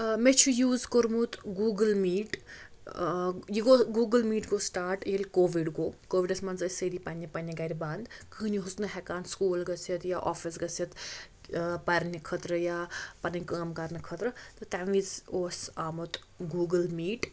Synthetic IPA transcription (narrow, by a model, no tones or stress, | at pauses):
met͡ʃʰujuːzkoɾmut̪ɡuːɡəlmiːʈ | jiɡoːɡuːɡəlmiːʈɡoːsʈaːɾʈelʲkoːʋiɖɡoːkoːʋiɖɐsmɐnzɐsɐd̪ipɐnʲːɐpɐnʲiɡɐɾʲiband̪kɨːniɦusnɨɦɛkaːnskuːlɡɐsjɐt̪jaʔɔːfisɡɐsjɐt̪ | pɐɾʲnikʰɐt̪ɾəjaːpɐnɐnʲkəːmkɐɾnɨkʰɐt̪ɾɐt̪ɨt̪aʋizoːsaːmut̪ | ɡuːɡəlmiːʈ